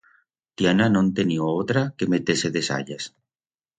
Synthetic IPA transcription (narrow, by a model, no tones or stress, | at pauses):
t̪jananõnt̪enioot̪ɾakemet̪eseðesa̰ʎas